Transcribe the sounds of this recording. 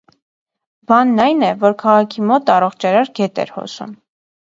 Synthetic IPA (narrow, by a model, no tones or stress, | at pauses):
bɑnːɑjnɛvɔɾkʰɑʁɑkʰimɔt̪ɑrɔχt͡ʃʰɑɾɑɾɡɛt̪ɛ̰ɾhɔ̰sṵm